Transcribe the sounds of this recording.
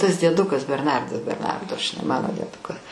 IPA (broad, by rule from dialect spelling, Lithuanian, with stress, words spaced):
tɐs dʲiɛˈdʊkɐs bʲɛrˈnɐrdɐs bʲɛrˈnɐrdoː ʒʲɪˈnɐɪ ˈmɑːnoː dʲiɛˈdʊkɐ